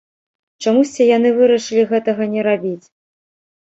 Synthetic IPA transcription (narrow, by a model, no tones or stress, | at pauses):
t͡ʂamusʲt͡sʲijanɨvɨɾɐʂɨlʲiɣɛt̪ɐɣɐnʲɛɾabʲit͡sʲ